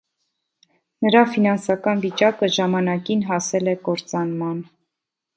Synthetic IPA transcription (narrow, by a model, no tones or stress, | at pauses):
nəɾɑfinɑnsɑkɑnvit͡ʃɑkəʒɑmɑnɑkinɦɑsɛlɛkɔɾt͡sɑnmɑn